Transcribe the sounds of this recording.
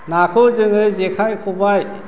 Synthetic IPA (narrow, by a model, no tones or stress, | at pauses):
nakʰɔzɯŋɯzekʰajkʰɔbaj